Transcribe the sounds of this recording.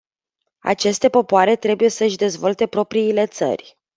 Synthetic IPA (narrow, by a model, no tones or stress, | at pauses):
a̰t͡ʃe̞st̪e̞po̞poaɾe̞t̪ɾe̞buje̞səʃʲd̪e̞zvo̞lt̪e̞pɾo̞pɾiːle̞t̪sə̰rʲ